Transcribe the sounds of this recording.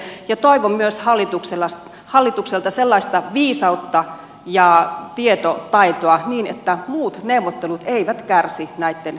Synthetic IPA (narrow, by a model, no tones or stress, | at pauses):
jɑt̪oiʋommyøshɑlːit̪ukselɑ | hɑlːit̪ukselt̪ɑselːɑist̪ɑʋiːsɑut̪ːɑ | jɑt̪iet̪ot̪ɑit̪oɑniːnet̪ːæmuːt̪neuʋot̪ːelut̪eiʋæt̪kærsinæit̪ːen